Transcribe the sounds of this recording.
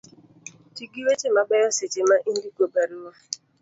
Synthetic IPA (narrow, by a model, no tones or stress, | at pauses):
t͡ʃiɡiwet͡ʃemaɡ͡bɛjɔset͡ʃemaʔin̩dikobaɾiwa